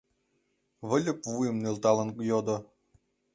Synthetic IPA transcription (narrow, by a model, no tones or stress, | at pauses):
βɘ̆lʲɘ̆pvujɘmnelˠt̪ɑlˠɤ̆nkujod̪ɤ̆